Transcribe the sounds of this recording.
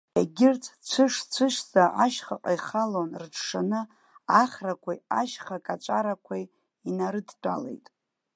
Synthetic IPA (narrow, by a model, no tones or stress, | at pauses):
aɡʲɪrt͡sʰt͡ʃʷʰɨʂt͡ʃʷʰɨʃzaʔaʃχaqʼajχalonrʈ͡ʂʰʂanɨ | aχrakʷʰajaʃχakʼat͡ʃʷʼaɾakʷʰaj | inaɾɨdt͡pʷʼa̰le̞̰jtʼ